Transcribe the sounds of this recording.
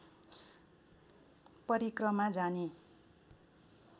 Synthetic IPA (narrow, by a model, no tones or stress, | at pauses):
pʌɾikrʌmad͡zane